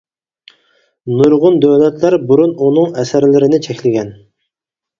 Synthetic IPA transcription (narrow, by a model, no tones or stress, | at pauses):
nuɾʁʊnd̪øwlɛt̪læɾbuɾununɨŋɛsæɾlɪɾɪnɪt͡ʃʰɛkʲlɪɡʲɛn